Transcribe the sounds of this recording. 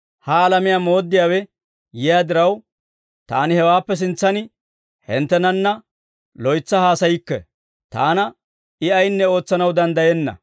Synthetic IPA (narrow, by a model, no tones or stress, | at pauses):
hɐːlɐmɪjaːmo̞ːd̪ːɪjaːwɛ | jɪjaːd̪ɪɾɐw | t̪a̰ːnɪhɛwaːpːɛs̬ɪnt͡sːɐnɪ | hɛnt̪ːɛnɐnːɐ | lɔjt͡sːɐhaːsɐjɪkːɛ̰ | t̪a̰ːnɐ | ʔɪɐjnːɛo̞ːt͡sːɐnɐwd̪ɐnd̪ɐjɛnːɐ̰